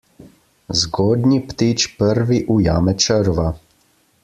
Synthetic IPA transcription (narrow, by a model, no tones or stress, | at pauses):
zɡoːd̪nipt̪it͡ʃpəɾʋiʔujaːmɛt͡ʃəɾʋa